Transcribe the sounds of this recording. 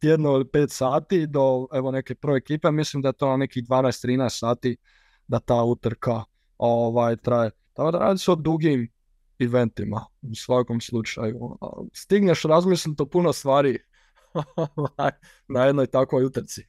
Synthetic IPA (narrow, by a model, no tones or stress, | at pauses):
t̪jed̪noilipe̞ːt̪saːt̪id̪o̞eʋone̞ke̞pəɾ̩ʋeekiːpe̞mislimd̪ajet̪onanekid̪ʋaːnaest̪t̪ɾiːnaest̪saːt̪i | d̪at̪aːut̪ɾka | oʋaːjt̪ɾaje | t̪akod̪aɾa̰ːd̪isɛod̪ɾuɡim | iʋe̞nt̪imausʋako̞mslˠut͡ʃa̰jṵst̪iɡneʃɾazmislnit̪opunost̪ʋaːɾi | oʋaj | najed̪nojt̪akojut̪ɾ̩t̪si